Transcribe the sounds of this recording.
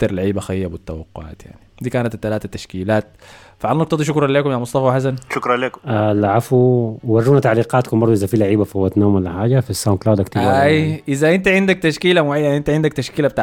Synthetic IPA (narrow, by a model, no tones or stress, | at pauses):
ɑɾˤlaʕiːbaxajːabɪt̪ːawɑqːʊʕa̰ːt̪ja̰ʕnid̪iːkaːnat̪t̪ːalaːt̪at̪ːaʃkiːlaːt̪̚ | faʕalnɑkt̪ɑd̪iʃ̬ʊkɾˤɑnleːkʊmjamʊsˤt̪ˤɑfɑwħas̬anʃʊkɾˤɑnleːkʊ̥malaʕafuwarːuːnat̪aʕliːqɑːt̪kʊmbɑɾd̪ˤuʔɪzafiːlaʕiːbafhowat̪noːmwalːaħaːd͡ʒafisːawnklawd̪kt̪iːbaajʔɪzæʔɪnt̪iʕɪnd̪ak̚t̪aʃkiːlamaʕejːaʔɪnt̪iʕɪnd̪ækt̪aʃkiːlabet̪aː